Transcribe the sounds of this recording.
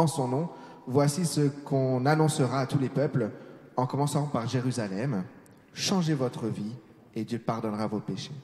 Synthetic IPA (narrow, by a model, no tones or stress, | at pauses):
ɑ̃sɔ̃nɔ̃ | vwasisəkʰɔ̃nanɔ̃səʁaːt̪ulepœpl | ɑ̃kɔmɑ̃sɑ̃paʁʒeʁyzalɛm | ʃɑ̃ʒevɔt̪χəvi | ed̪jøpaʁd̪ɔnʁavopeʃe